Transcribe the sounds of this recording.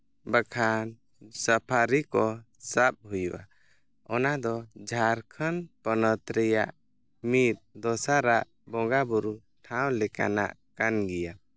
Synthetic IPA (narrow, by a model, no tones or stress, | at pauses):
bəkʰan | səpʰaɾikɔ | sap̚ɦujuʔa̰ | ɔnad̪ɔd͡ʒʱaɾkʰənpənət̪ɾɛja̰ʔ | mit̪̚d̪ɔsaɾaʔ | bɔ̃ɡabɔɾu | ʈʰaw̃lɛka̰na̰ʔkanɡɛja